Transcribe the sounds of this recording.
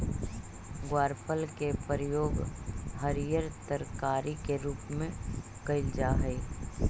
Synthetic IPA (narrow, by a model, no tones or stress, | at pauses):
ɡwaːɾpəlkepəɾjoːɡɦəɾjəɾt̪əɾkaːɾikeɾuːpmẽ | kəɪld͡ʒaːɦəi